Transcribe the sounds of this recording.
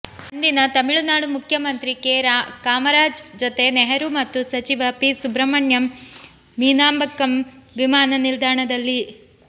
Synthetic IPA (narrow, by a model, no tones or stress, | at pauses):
ɐnd̪inɐt̪ɐmiɭunaːɽumukʰjɐmɐnt̪ɾikeɾakaːmɐɾaːd͡ʒd͡ʒot̪e̞neɦɐɾumɐt̪ːusɐt͡ʃiʋɐpisubɾɐmɐɳjɐmː | iːnaːmbʱɐkːɐmʋimaːnɐnild̪ʱaːɳɐd̪ɐlːi